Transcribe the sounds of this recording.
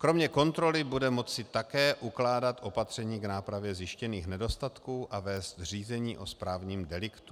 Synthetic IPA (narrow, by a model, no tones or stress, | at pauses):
kɾo̞mɲɛko̞nt̪ɾo̞lɪbudɛmo̞t͡sɪt̪akɛːʔuklaːdat̪ʔo̞pat̪r̝̥ɛɲiːɡnaːpɾavjɛzjɪʃcɛniːxnɛdo̞st̪at̪kuːʔavɛːst̪r̝iːzɛɲiːʔo̞spɾaːvɲiːmdɛlɪkt̪u̥